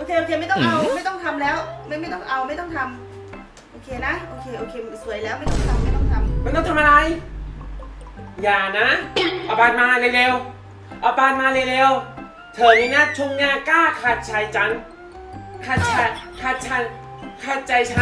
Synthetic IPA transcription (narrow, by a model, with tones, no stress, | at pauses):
ʔoː˧kʰeː˧ʔoː˧kʰeː˧ma˥˩jt̪ɔ˥˨ŋʔa˧wma˥˩jt̪ɔ˥˩ŋt̪ʰa˧mlɛː˦˥wma˥˩jma˥˩jt̪ɔ˥˩ŋʔa˧wma˥˩jt̪ɔ˥˩ŋt̪ʰa˧m | ʔoː˧kʰeː˧na˦˥ʔoː˧kʰeː˧ʔoː˧kʰeː˧su˩˦əjlɛː˦˥wma˥˩jt̪ɔ˥ŋ˩t̪ʰa˧ma˥˩jt̪ɔ˥˩ŋt̪ʰa˧mma˧nt̪ɔ˥ŋt̪ʰa˧ʔa˧la˧j | jaː˨˩na˦˥ʔɔ˨˩paː˧n̚maː˧leː˧leː˧w | ʔɔ˨˧˩paː˧t̪̚maː˧leː˧leː˧w | t̪ʰɤː˨˩˦miː˧naː˥˩t͡ɕʰu˧mŋaː˧nkaː˥˩kʰaː˧˩t̪̚t͡ɕʰa˧˩jt͡ɕa˧˥n | kʰaː˧˩t̪̚t͡ɕʰa˧jkʰaː˧˩t̪̚t͡ɕʰa˧j | kʰaː˧˩t̪̚t͡ɕa˧jt͡ɕʰa˧˥